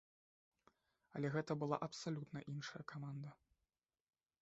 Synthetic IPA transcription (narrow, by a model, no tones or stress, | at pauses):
ɐlʲɛɣɛt̪ɐbɨlˠa̰ʔɐpsalʲut̪nɐʔinʂɐjɐkamand̪ɐ